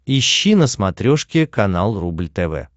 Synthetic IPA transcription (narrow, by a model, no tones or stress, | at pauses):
ɪɕːinəsmɐt̪ɾʲoʂkʲɪkɐnalˠrublʲt̪ɛvɛ̰